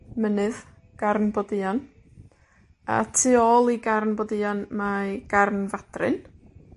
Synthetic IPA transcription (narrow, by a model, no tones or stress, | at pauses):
mənɨð | ɡ̥arnbɔdɨan | a̰tʰɨːɔːlˠiɡarnbɔdɨanmaɡ̥arnvad̥rɨ̰n